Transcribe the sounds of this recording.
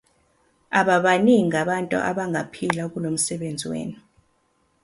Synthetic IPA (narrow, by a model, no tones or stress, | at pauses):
aɓaɓaniŋaɓantʼṵʔa̰ɓaŋʱapʰilak̬ulom̩sɛɓend͡zʱiwḛːni